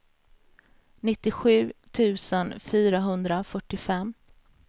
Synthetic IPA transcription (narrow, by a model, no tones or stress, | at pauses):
nɪt̪ːɪɧʉ̟ːt̪ʰʉ̟ːsənfyːɾaɦɵnd̪ɾafœʈːɪfɛmː